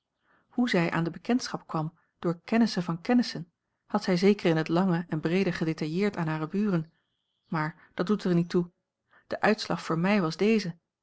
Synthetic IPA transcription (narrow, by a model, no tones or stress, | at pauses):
huzɛjʔa̰ːndəbəkɛntsχɑp̚kʋɑm | d̥ʊːɹkɛnəsənvɑnkɛnəsən | hɑtsɛjzejkərɪnɦətlɑŋəʔɛnbrejdəχədetɑjɪːɹtaːnɦaːrəbyːrən | maːɹ | d̥ɑt̚dutəɹnitu | d̥əʔœɥtslɑχfʊːɹmɛjʋɑzdejzə